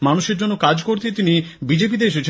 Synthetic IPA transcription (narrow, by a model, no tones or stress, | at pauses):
manuʃeɾd͡ʑonːokad͡ʑkoɾt̪ʰet̪inibid͡ʑep̬id̪eɾʃet͡ɕʰ